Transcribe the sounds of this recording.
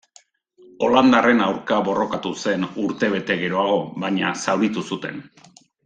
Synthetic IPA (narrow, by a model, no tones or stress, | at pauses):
o̞land̪are̞nawɾkaβo̞rʔo̞kat̪use̞nuɾt̪e̞βe̞t̪e̞ɣe̞ɾo̞aɣo̞βaɲasawɾit̪usut̪e̞n